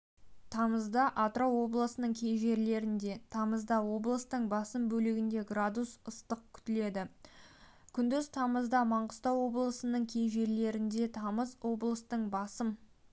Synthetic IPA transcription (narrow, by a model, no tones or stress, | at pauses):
t̪ʰɑməzd̪ɑʔat̪ɾowo̞blˠəsənəɴkʲʰe̞jʒe̞ɾle̞ɾɪnd̪e̞t̪ʰɑməzd̪ɑwo̞blˠəst̪əɴbɑsəmbɵlɪɡʲɪnd̪e̞ɡrad̪usəst̪əq̚kʲʰʏ̥t̪ɪle̞d̪ɪ | kʲʰʏnd̪ɪz̥t̪ʰɑməzd̪ɑmɑɴqəst̪ɑwo̞blˠəsənəɴkʲʰe̞jʒe̞ɾle̞ɾɪnd̪e̞t̪ʰɑməzwo̞blˠəst̪əɴbɑsəm